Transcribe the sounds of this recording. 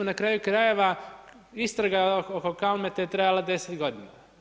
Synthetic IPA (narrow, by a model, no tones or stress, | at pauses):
nakɾaːjukɾaje̞ʋa | ist̪ɾaɡaokokalmet̪ejet̪ɾajalad̪e̞set̪ɡo̞d̪ina